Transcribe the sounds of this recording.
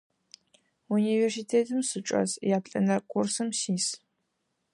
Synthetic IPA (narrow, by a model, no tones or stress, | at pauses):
uniːveːrsitʰeːtʰɨmsɨt͡ʃʼɐ̰zjaːpɬʼɐ̰nɐrkʰʷʼursɨmsiːs